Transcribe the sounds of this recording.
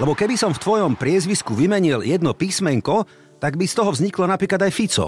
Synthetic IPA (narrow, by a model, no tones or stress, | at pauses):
lɛbɔkɛbisɔmft̪ʋɔjɔmpɾɪɛzʋiskuʋimɛɲiljɛd̪nɔpiːsmɛŋkɔ | t̪aɡbist̪ɔɦɔvzɲiklɔnapɾiːklad̪ajfit͡sɔ̰